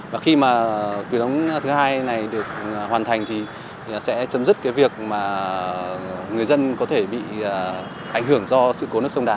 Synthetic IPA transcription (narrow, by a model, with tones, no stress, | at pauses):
vaː˨˩xi˧maː˨˩kwi˨˦ɗə˨˦wŋ͡mt̪ʰɨ˨˦haː˧jna˨˩jɗɨ˨˩ək̚hwaː˨˩nt̪ʰa˨˩jŋ̟t̪ʰi˨˩ | sɛ̰˧˥t͡ɕə˨˦mzɨ˦˥t̚kaː˨˦jvi˨˩ək̚maː˨˩ | ŋɨ˨˩əjzə˧nkɔ˨˦t̪ʰe˧˩ɓḭ˧˨˩ | ʔa˧˩ŋ̟ɦɨ˧˩əŋzɔ˧sɨ̰˧˨ko˨˦nɨ˦˥əsə˧wŋ͡mɗaː˨˩˦